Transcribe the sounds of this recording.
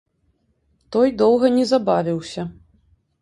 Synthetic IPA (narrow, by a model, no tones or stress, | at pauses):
t̪ɔjd̪ɔwɣɐnʲɛzabavʲiwsʲɐ